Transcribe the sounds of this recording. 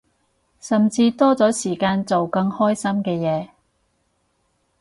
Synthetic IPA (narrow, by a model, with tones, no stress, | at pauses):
sɐ˨mt͡siː˧t̪ɔː˥t͡sɔː˨˥siː˨˩kaː˧nt͡so˨wkɐ˧ŋhɔː˥jsɐ˥mkɛː˧jɛː˨˦